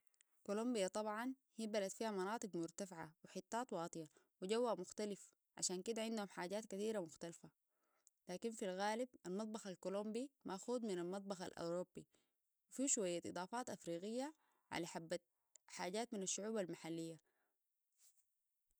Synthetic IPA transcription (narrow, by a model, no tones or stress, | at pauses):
kolumbijat̪ˤɑbʕɑn | hibalat̪fiːhamɑnɑːt̪ˤɨɡmʊɾt̪afʕa̰wiħɪt̪ːaːt̪ˤwɑːt̪ˤɨja | wiɟawːamʊxt̪alif | ʕa̰ʃaːnkid̪aʕind̪uhumħaːɟaːt̪kat̪iːɾamʊxt̪alfa | laːkinfilɣaːlibalmɑt̪̚ˤbɑxalkolombimaxuːd̪minalmɑt̪̚ˤbɑxa̰lʔa̰wɾoːbːi | wifiʃuwajːaʔɨ̰d̪ˤɑːfɑːt̪ʔafɾiːɣijːa | ʕa̰laħabːa | ħaːɟaːt̪minaʃːʊʕuːbalmaħalːijːa